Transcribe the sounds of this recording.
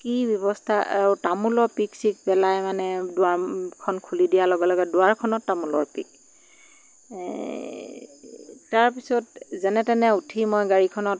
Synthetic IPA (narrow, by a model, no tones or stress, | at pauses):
kibjɔbɔstʰaʔa̰ɹʊtamulɔɹpiksik̚pɛlajmanɛdʊakʰɔnkʰulidijalɔɡɛlɔɡɛdʊwaɹkʰɔnɔtːamulɔ̰ɹpik̚ | taɹpisɔtzɛnɛtɛnɛutʰimɔjɡaɹikʰɔnɔt